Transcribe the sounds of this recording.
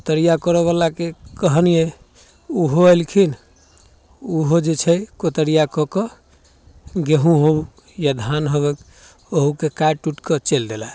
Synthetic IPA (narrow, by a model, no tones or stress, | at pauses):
kot̪əɾijakɔɾeβalakekəɦənije | uɦoəjlkʰin | uɦod͡ʒet͡ʃʰɛkot̪əɾijakɔkɔ | ɡeɦũɦobu | jad̪ʱanɦoβek | oɦukekaeʈuʈkət͡ʃeld̪ela